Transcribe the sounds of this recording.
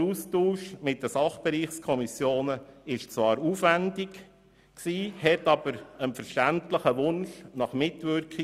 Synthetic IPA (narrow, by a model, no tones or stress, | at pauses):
ustuːʃmɪtːəsɑχb̥ɛɾiːχskʰɔmisjoːnəɪʃt͡sʋɑːɾufʋændɪk | ksiːhɛtɑb̥əɾənfəɾʃtæntləχəʋʊnʃnɑχmɪtʋʏɾki